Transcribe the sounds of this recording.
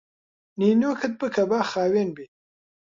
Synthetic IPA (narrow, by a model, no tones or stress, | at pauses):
ninjoːkʰət̪̚bəkɐbaːxaːwenbi